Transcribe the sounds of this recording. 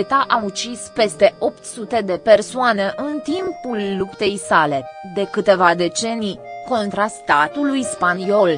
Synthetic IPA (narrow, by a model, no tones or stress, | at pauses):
t̪aʔaut͡ʃispe̞st̪e̞ʔo̞pt̪sut̪e̞d̪e̞pe̞rsoane̞ʔɨnt̪impulːupt̪e̞jsale̞d̪e̞kɨt̪e̞vad̪e̞t͡ʃe̞nijko̞nt̪ɾast̪at̪ulujspanio̞l